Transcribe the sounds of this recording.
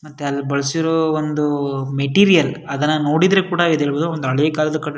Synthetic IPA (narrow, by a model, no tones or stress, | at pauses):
mɐt̪ːeɐlːibɐɭɐsiɾoːond̪umeʈiːɾijɐlɐd̪ɐnːɐno̞ːɽid̪ɾekuːɽɐid̪eːɭbod̪uond̪uɐɭekaːlɐd̪ɐkɐʈ